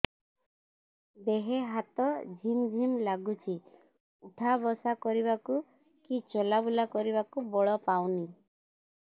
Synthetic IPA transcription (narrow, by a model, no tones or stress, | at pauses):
b̪eɦeɦat̪ɔd͡ʒʱimd͡ʒʱimlaɡut͡ʃʰi | uʈʰabɔsakɔɾiβaku | kit͡ʃɔlabulakɔɾiβakubɔɭɔpawni